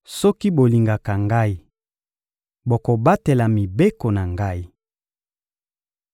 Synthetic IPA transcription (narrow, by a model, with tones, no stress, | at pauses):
sɔ˦ki˦bo˨li˨ŋɡa˨ka˨ŋɡa˦i˦ | bo˨ko˨ba˦te˨la˨mi˨be˦ko˨na˨ŋɡa˦i˦